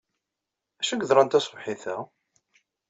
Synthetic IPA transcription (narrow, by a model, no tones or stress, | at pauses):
æʃæɡəðɾˤɑnt̪æsəvħiθæ